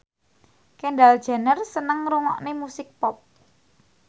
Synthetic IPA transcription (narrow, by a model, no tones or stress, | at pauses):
kɛɳɖald̥ʒ̥a̤nərsənəŋɾuŋɔʔnemusɪk̚pɔp̚